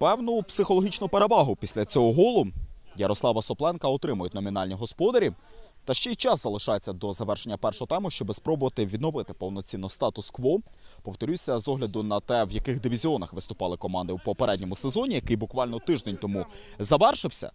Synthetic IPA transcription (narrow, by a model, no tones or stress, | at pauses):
pɛwnʊpsɪxɔlˠɔɦʲit͡ʃnʊpeɾeʋɑɦʊpʲisʲlʲɐt͡sʲɔɦɔɦɔlˠʊjɐɾɔslˠɑʋɐsɔplˠɛnkɐɔt̪ɾɪmʊjʊtʲnɔmʲinɑlʲnʲiɦɔspɔd̪ɐɾʲi | t̪ɐʃt͡ʃɛjt͡ʃɑszɐlˠɪʃɑjet͡sʲːɐd̪ɔzɐʋɛrʃenʲːɐpɛrʃɔɦɔt̪ɛmʊʃt͡ʃɔbɪspɾɔbʊʋɐt̪ɪʋʲid̪nɔʋɪt̪ɪpɔwnɔt͡sʲinɔst̪ɑt̪ʊskʋɔpɔwt̪ɔɾʲusʲɐzɔɦlʲɐd̪ʊnɐt̪ɛwjɐkɪxd̪ɪʋʲizʲiɔnɐxʋɪst̪ʊpɑlˠɪkɔmɑnd̪ɪwpɔpeɾɛdʲnʲɔmʊsezɔnʲijɐkɪjbʊkʋɑlʲnɔt̪ɪʒd̪enʲt̪ɔmu | zɐʋɛrʃɪwsʲɐ̰